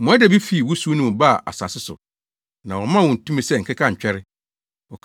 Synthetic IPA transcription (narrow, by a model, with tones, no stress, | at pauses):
mʊ̃˨ɛ˦dɛ˨bi˦fi˨wʊ˦su˦nũ˦m̃˨ba˦˨ʔa̰˨sã̰˨sɪ˦sʊ̰˨ | nã˨ɔ˨˦mã˦wɔ̃˨n̩˨tũ˦mĩ˦sɛ˦˨ŋ̩˨kʰɪ˦kʰã˦˨ɲ̩˨t͡ɕᶣɛ˦ɾɪ˦ | ɔ˨kʰ